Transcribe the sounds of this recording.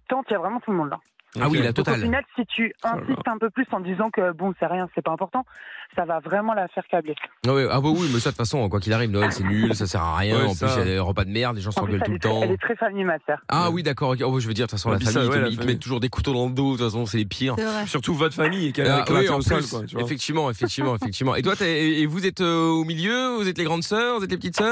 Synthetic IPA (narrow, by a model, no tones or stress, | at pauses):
t̪ɑ̃t̪yavʁɛmɑ̃t̪ulmɔ̃d̪la̰ | awilat̪ɔt̪alfinalsit̪ʰyɛ̃sist̪ɛ̃pøplysɑ̃d̪izɑ̃kəbɔ̃sɛʁjɛ̃sɛpaɛ̃pɔʁt̪ɑ̃savavʁɛmɑ̃lafɛʁkablewɛwɛawɛwimɛswat̪u̥tfasɔ̃kwakʲilaʁivnɔɛsɛnylsasɛʁa̰ʁjɛ̃ɑ̃plysjad̪eʁəpad̪əmɛʁd̪leʒɑ̃sɑ̃plyɡɔlsɛuɛt̪ɑ̃ɛlɛt̪χɛfamid̪masɛːʁʔawid̪akɔʁokɛɔwɛʒəvəd̪iʁt̪ufasɔ̃lafamiitiləmɛtt̪ːuʒuʁd̪eku̥t̪od̪ɑ̃ləd̪od̪t̪fasɔ̃ɔ̃sɛlepʰiʁʁɛsyʁt̪uvɔt̪famijekɛlaɛkwɛ̃pɔlkwat̪yefɛk̚t̪ivmɑ̃efɛkt̪ivmɑ̃efɛk̚t̪ivmɑ̃ʔet̪wat̪ɛːvuzɛt̪øomiljøvuzɛt̪leɡʁɑ̃d̪sœːʁvuzɛt̪lepət̪it̪sœ